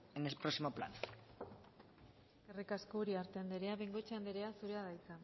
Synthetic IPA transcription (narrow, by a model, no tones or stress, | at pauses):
enespɾosimopla̰n | kerikaskouɾiaɾt̪end̪eɾe̞aβeŋɡo̞t͡ʃeend̪eɾe̞asuɾeaðajt͡san